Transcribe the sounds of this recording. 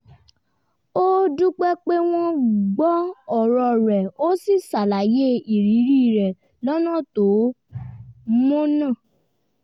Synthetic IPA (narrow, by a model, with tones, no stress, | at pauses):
o˦du˦k͡pɛ˦k͡pe˦w̃ɔ̃˦ɡ͡bɔ˦ɔ˦˨ɾɔ˧ɾɛ˨o˦si˦˨sa˨la˨je˦i˨ɾi˨˦ɾi˦˨ɾɛ˨ | lɔ˦nã˦˨to˨˦ | mõ˦nã˦˨